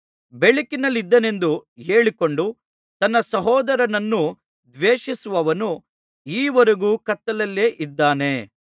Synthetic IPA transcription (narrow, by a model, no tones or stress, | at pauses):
beɭikinɐlːid̪ːɐne̞nd̪uɦeːɭiko̞ɳɖu | t̪ɐnːɐsɐɦɔːd̪ɐɾɐnɐnːu | d̪ʋeːʂisuʋɐʋɐnu | iːʋɐɾɐɡuːkɐt̪ːɐlɐlːeːʔid̪ːaːne̞